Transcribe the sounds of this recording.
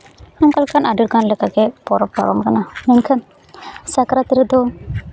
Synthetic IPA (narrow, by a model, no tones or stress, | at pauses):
hamkalkanʔaɖuɾɡanlɛkaɡɛpɔɾɔpːa̰ɾɔmkanamɛnkʰan | sakɾat̪iɾɛd̪ɔ